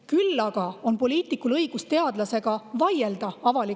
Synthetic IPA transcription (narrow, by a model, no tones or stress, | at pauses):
kylːɑɡ̥ɑo̞npo̞lʲiːt̪ˑikːˑulɤjɡ̥ust̪e̞ɑd̪̥lɑse̞ɡ̥ɑvɑje̞ld̪̥ɑɑvɑli